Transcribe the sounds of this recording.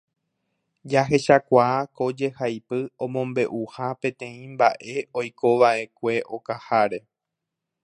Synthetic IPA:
d͡ʒaɦe̞ʃakʷaːko̞d͡ʒe̞hajpɨõ̞mõ̞mbe̞ʔuhapẽ̞t̪ẽ̞ĩmbaʔe̞ojko̞ʋaʔe̞kʷe̞ʔo̞kahaɾe̞

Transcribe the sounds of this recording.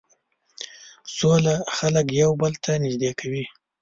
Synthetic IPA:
solaxaləkjawbəlt̪ʰanɪʒd̪ekʰawi

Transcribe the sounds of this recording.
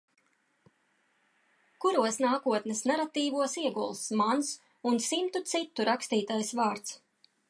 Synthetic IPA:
kuɾuɔsnaːkuɔt̪nɛsnaɾat̪iːvuɔsiɛɡulˠsmans | unsimt̪ut̪sit̪ːuɾakst̪iːt̪ajsvaːɾt̪s

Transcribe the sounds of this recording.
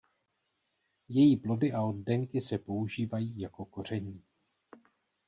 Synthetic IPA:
jɛjiːplo̞dɪʔao̞ddɛŋkɪsɛpo̞uʒiːvajiːjako̞ko̞r̝ɛɲiː

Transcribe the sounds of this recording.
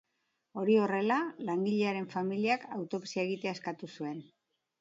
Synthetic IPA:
o̞ɾio̞re̞lalaŋɡiʎe̞aɾe̞ɱfamiliakawt̪o̞psieɣit̪e̞ae̞skat̪usue̞n

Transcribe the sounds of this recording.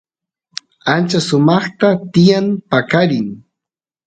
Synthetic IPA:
ant͡ʃasʊmɑχt̪at̪ɪjampakaɾɪŋ

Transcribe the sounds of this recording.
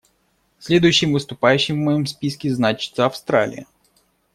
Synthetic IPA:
sʲlʲed̪ʊjʊʃːɪmʋɪst̪ʊpajʉɕːɪmmɔjɔmsʲpʲiskʲiznat͡ʃɪ̥t̪sɐɐfst̪ɾa̰lʲḭjɐ

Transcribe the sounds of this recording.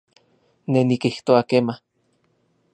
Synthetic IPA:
nenikiht̪oakema

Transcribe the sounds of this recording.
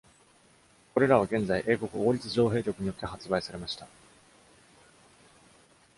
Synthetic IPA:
ko̞ɾe̞ɾaβ̞aɡẽ̞nd͡zaiʔe̞ːko̞kɯ̟o̞ːɾʲit͡sɨʑo̞ːɦe̞ːɾʲo̞kɯ̟ɲ̟ijo̞t̪ːe̞hat͡sɨbaisaɾe̞maɕi̥t̪a

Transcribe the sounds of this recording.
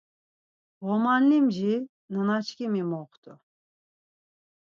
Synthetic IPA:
vɔmanlimʒi | nənat͡ʃʰkʰimimɔqt̪ʰʼu

